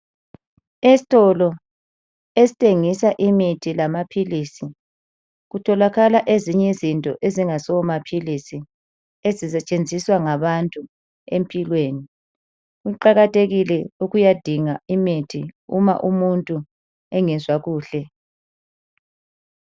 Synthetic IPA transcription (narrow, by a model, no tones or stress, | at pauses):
esi̥tʼɔlɔ | esi̥tʰʼeŋisaʔimitʰilamapʰiliːsi | ɣutʰɔlaɣalaʔeziɲɛzintʼɔ̰ʔeziŋasɔwmapʰilisi | ezisɛt͡ʃʼend͡zʱiswaŋaβantʼu | em̩pʼilweːni | uǃaɣatʰʼeɣilɛuɣujad̥ʱiŋaimitʰiṵma̰ʔumuntʼu | ɛŋɛzwaɣuːɬɛ